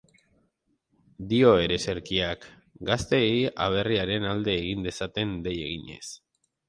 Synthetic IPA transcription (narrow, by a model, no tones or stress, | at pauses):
d̪io̞e̞ɾe̞se̞ɾkiak | ɡast̪e̞ja̰β̞e̞riaɾe̞nald̪e̞ːɣ̞ind̪e̞sat̪e̞nd̪e̞je̞̰ɣ̞iɲe̞̰s